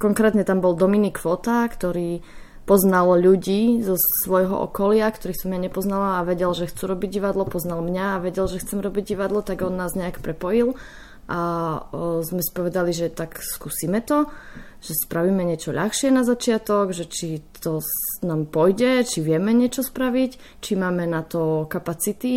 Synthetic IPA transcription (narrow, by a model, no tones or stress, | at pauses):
kɔŋkɾɛːt̪ɲɛt̪ambɔlˠd̪ɔminikfɔt̪akt̪ɔɾiː | pɔznalʎuɟiːzɔsʋɔjɦɔ̰ʔɔ̰kɔlɪak̚t̪ɔɾiːsɔmːɲaɲɛpɔznalaːʋɛɟɛlʒɛxt͡suːɾɔbiɟɟiʋad̪lɔpɔznalmɲaːʋɛɟɛlʒɛxt͡sɛmɾɔbiɟɟiʋad̪lɔt̪aɡɔnːaːzɲɛakpɾɛpɔjil | ʔa | zmɛsi̥pɔʋɛd̪aliʒɛt̪akskusiːmɛt̪ɔ | ʒ̥ɛspɾaʋiːmɛɲɪɛt͡ʃɔʎaxʃɪɛnazat͡ʃɪat̪ɔɡʒɛt͡ʃit̪ɔ | naːmpɔjɟɛt͡ʃiʋɪɛmɛɲɪɛt͡ʃɔspɾaʋic | t͡ʃimaːmɛnat̪ɔkapat͡sit̪i